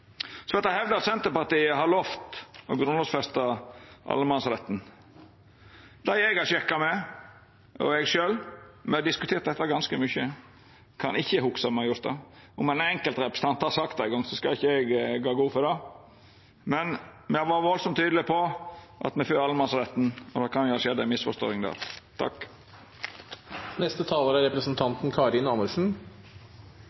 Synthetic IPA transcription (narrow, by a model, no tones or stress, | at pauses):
sɔʋɛt̪ːæhɛʋd̪əɑt̪sɛnt̪əpɑɾt̪iːəɦɑɾloft̪ɔɡɾʉnlɔsfɛst̪ɑʔɑ̰lːəmɑnsɑlɛt̪ːn̩ | d̪̥æɪɛɡɑʂɛkːɑmɛ | ɔ̰ɛɡʃøːlmɛɑd̪ɪskʉt̪ʰeːɾt̪̚d̪ɛt̪ːɑɡɑnskəmʏçə | kʰɑ̰nɪçːəhʊksɑmɛjʊt̪ɑ̰ʊmɛnɛŋkəlt̪ɾɛpɾə̥sət̪ʰɑnt̪hɑɾsɑkt̪æɪɡɔŋːsɔskɑlɪçːəɛɡɡɑːɡuːfɔɾd̪ɑ | mɛnmɛɑʋɑːɾʋɔlsɔmt̪ʰːyːd̪lɪpʰɔ | ʔɑ̰t̪mɛføːɑlːəmɑnsɾɛt̪n̩ɔd̪ɑkʰɑnjʊɑʂʃeːd̪æmɪsfɔʂt̪ɔ̰ːɪŋd̪æ̰ːɾt̪ʰɑ̰k | nɛst̪ət̪ʰɑːləɾæɾɛpɾəsnt̪ʰɑnt̪n̩kʰɑɾɪnɑməʂn̩